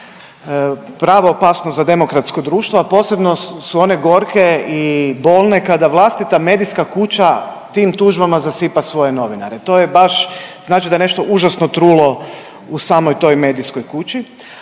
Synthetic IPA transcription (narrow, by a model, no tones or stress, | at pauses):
pɾaːʋoːpaːsnozad̪e̞mo̞kɾat̪sko̞d̪ɾuːʃt̪ʋoapo̞ːse̞bno̞suo̞ne̞ɡo̞ɾkeibo̞ːlˠne̞kad̪aʋlˠast̪it̪ame̞d̪iskakut͡ɕa | t̪imt̪uːʒbamazasipasʋo̞jeno̞ʋina̰ɾet̪o̞ːjebaʃz̥naːt͡ʃid̪ajene̞ʃt̪o̞ʔuʒasnot̪ɾuːlo̞ | usaːmo̞jt̪o̞jme̞ːd̪isko̞jkut͡ɕi